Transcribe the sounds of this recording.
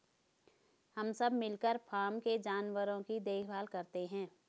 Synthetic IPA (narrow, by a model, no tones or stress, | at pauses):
hɐmsɐbmɪlkəɾpʰaːɾmked͡ʒaːnwəɾõkid̪eːkʰbʱaːlkɐɾt̪eɦɛ̃ː